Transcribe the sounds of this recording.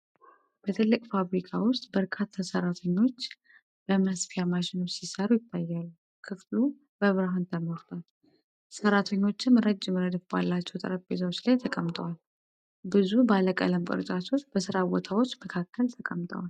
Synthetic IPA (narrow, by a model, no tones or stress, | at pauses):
b̥ət̪ʰɨlːɨkʼfaβɾikʰawʊst̪ʼbəɾkʰat̪ʰːasəɾat̪ʰəɲːo̞t͡ʃː | b̥əməsfijamaʃɪno̞t͡ʃːsisəɾujɪt̪ʰːajːalːu | kʰɨflu | bəβɨɾaɦant̪ʰəmoɾt̪ʰal | səɾat̪ʰəɲːo̞t͡ʃːɪnɨɾəd͡ʒːɪmɾəd̪əfbalːat͡ʃːɛwt̪ʼə̰ɾəfbet̪awot͡ʃːlajt̪ʰəkʼəmt̪ʼəwal | bɨzubaləkʼə̰ləmkʼɨ̰ɾɨt͡ʃ̪ʼat̪ʰo̞t͡ʃːb̥əsɨɾabot̪ʰawo̞t͡ʃːməkʰakːəlt̪ʰəkʼəmt̪ʼə̰wal